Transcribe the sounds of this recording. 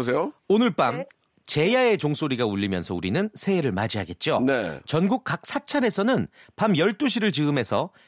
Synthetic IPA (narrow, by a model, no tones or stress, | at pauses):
os̬ʰejoonɯɭp͈am | t͡ɕe̞jae̞t͡ɕoŋs͈oɾiɡauʎːimjʌ̰nsʰʌuɾinɯnsʰe̞ːɾɯɭmad͡ʑiɦaɡe̞t̚t͡ɕ͈onet͡ɕʌnɡuk̚k͈ak̚s͈ʰat͡ɕʰaɾe̞sʰʌnɯnpamjʌɭt͈uɕ̬ʰiɾɯɭt͡ɕɯɯme̞sʰʌ